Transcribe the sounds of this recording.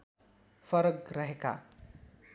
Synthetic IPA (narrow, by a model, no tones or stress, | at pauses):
fʌɾʌɡrʌɦeka̰